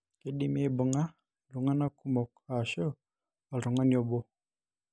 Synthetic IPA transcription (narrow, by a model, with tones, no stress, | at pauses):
ki˨ɗi˦˨me˦˨bu˨ŋa˦ | lu˨ŋa˦na˦ku˦mɔ˨ka˨ʃo˦ | a˨ɾu˨ŋa˦nɔ˦bo˦